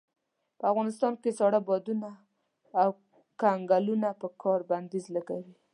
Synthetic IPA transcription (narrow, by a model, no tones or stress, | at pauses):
pəafɣɑnɪst̪ɑnkesɑɽabɑd̪unaː | w | kaŋɡalunapəkʰɑɾband̪izlaɡawi